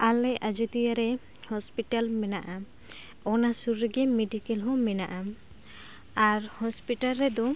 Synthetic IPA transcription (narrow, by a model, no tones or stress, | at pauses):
alɛʔad͡ʒut̪ijaɾɛ | hɔspiʈalmɛnaʔa | ɔnasuɾːɛɡɛmeɖikɛlɦɔ̃mɛnaʔa | aɾhɔspiʈalɾɛd̪ɔ